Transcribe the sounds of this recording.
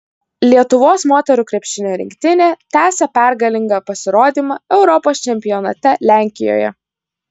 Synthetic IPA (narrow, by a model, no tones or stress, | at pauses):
lʲiɛt̪ʊʋoːsmoːt̪ʲɛɾuːkɾʲɛpʲʃʲɪnʲoːɾʲɪ̰ŋʲkʲt̪ʲɪnʲeːt̪ʲæːsʲɛpʲæˑɾɡɐlʲɪŋɡɐpɐsʲɪɾoːd̪ʲiːmɑɛʊɾɔpoːst͡ʃʲɛmʲpʲɪjɔnɐt̪ʲɛlʲæˑŋʲkʲɪjo̰ːjɛ̰